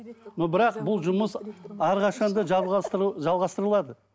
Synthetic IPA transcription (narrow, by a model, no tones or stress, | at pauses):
nobɪɾɑqbʊlˠʒʊməsɑɾʁɑʃɑnd̪ə | ʒɑlˠʁɑst̪əɾəlˠɑd̪ə